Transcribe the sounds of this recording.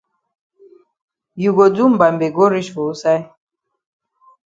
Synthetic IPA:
ju˨ɡo˨du˦m̩˨ba˨m˨be˨ɡo˦ɾi˦ʃo˨˦sa˦j

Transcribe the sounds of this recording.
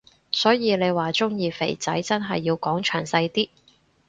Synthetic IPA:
sɔː˨˥jiː˨˧le˨˧jwaː˨˩t͡ʃʊ˥ŋjiː˨˧fḛ˨˩jt͡sɐ˨˥jt͡sɐ˥nɦɐ˨jːiː˧wkɔː˨˥ŋt͡ʃʰœː˨˩ŋsɐ˧jt̪iː˥

